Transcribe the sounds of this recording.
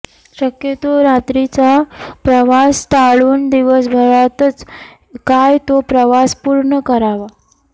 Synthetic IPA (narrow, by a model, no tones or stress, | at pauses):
ɕəkjet̪oɾat̪ɾit͡sapɾəʋast̪aɭuːnd̪iʋəsbʱəɭat̪ət͡s | kajt̪opɾəʋaspuɾɳəkəɾaʋa